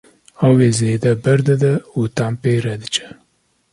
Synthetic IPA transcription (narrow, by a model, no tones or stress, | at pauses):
ɑweːzeːd̪ɛbɛɾd̪ɛd̪ɛut̪ampeːɾɛd̪ɨt͡ʃɛ̥